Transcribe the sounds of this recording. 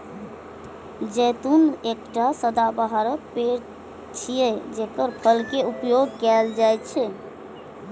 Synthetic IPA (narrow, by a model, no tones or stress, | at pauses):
d͡ʒɛt̪unekʈasəd̪abəɦaɾək̚peɾ | t͡ʃʰijed͡ʒekəɾpʰəlkeupjoɡ̚kɛld͡ʒajt͡ʃʰɛ